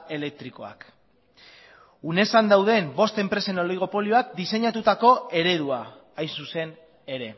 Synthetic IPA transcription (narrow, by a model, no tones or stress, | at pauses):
e̞le̞k̚t̪ɾiko̞a̰k | une̞sand̪awð̞e̞mbo̞st̪e̞mpɾe̞se̞no̞ljɣ̞o̞po̞lioakd̪ise̞ɲat̪ut̪ako̞e̞ɾe̞ðua | ajnsuse̞n | e̞ɾe̞